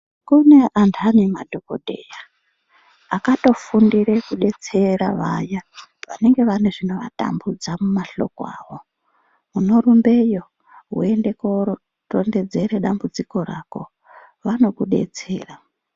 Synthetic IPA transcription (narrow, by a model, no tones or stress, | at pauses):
kune̞ʔantʰanima̰dʱoko̰dʱḛːja | akato̞fundiɾekuɗe̞t͡se̞raʋajaʋa̰ne̞ŋɡe̞ʋaneʐino̞ʋa̰ta̰mbud͡zamumaɬo̞̰koa̰ːwo̞ | muno̞rumbe̞jo̞ | ɦṵende̞koro | to̰nde̞d͡ze̞ɾeɗambud͡ziko̞ɾako̞̰ | ʋano̞kuɗe̞̰t͡sḛːra